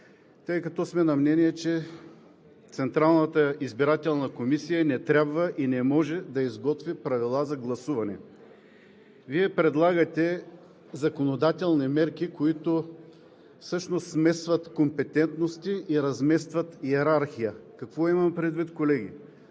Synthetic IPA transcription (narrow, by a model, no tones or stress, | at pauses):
t̪ɤjkɐt̪ɔsmɛnɐmnɛniɛt͡ʃɛ | t̪sɛnt̪ɾalˠnət̪əizbiɾat̪ɛlˠnɐkomisijənɛt̪ɾʲabvəʔinɛmɔʒɛd̪ɐizɡɔt̪vipɾɐvilˠazɐɡlˠɐsuvɐnɛ | viɛpɾɛd̪lˠaɡət̪ɛ | zɐkonod̪at̪ɛlˠnimɛɾkikoit̪o | fsɤʃnost̪smɛsvət̪kompɛt̪ɛnt̪nost̪iʔiɾɐzmɛst̪vɐt̪iɛɾaɾxijəkɐkvɔimɐmpɾɛd̪vit̪kolɛɡ̟ʲḭ